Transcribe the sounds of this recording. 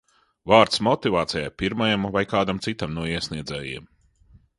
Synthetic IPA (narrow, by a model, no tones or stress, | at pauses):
vaːɾt̪smɔt̪ivaːt̪sɛja̰piɾmajamvajkaːd̪amt̪sit̪amnuɔiɛsniɛd̪zɛːjḭɛm